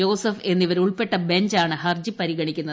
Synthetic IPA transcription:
o̞ːsɐfe̞nːiʋɐɾuɭpe̞ʈːɐbe̞ɲd͡ʑaːɳɨɦɐrd͡ʑɨpɐɾiɣɐɳikʲːunːɐ

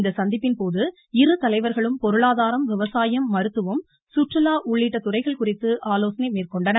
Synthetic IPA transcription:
nd̪ɐsɐnd̪ɪpːɪnpoːðɯ | ɪrɯt̪ɐlɐɪʋɐɾɣɐɭɯmpɔɾɯɭaːðaːɾɐmʋɪʋɐsaːjɐmːɐɾɯt̪ːɯʋɯm | sʊʈrɯlaːʔʊɭːiʈːɐt̪ːʊrɐɪɣɐɭkʊrɪt̪ːɯʔaːloːsɐnɐɪmeːrkɔɳɖɐnɐ

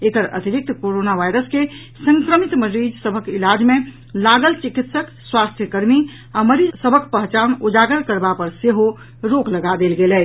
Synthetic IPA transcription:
ekəɾə̰t̪iɾik̚t̪koɾonaʋajɾəske | sə̃ŋkɾəmit̪məɾid͡ʒsəbʱəkilad͡ʒmẽ | laɡəlt͡ʃikit̪səkswast̪ʰjəkəɾmi | aməɾid͡ʒsəbʱəkpəɦt͡ʃanud͡ʒaɡəɾkəɾbapəɾseɦo | ɾokləɡad̪elɡelɛ

